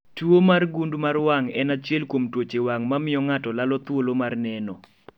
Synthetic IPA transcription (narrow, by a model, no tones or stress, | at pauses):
tuomarɡundmarwaŋɛnat͡ʃjɛlkomtwot͡ʃewaŋmamɪjɔŋatɔlalɔt̪wolomarnɛnɔ̰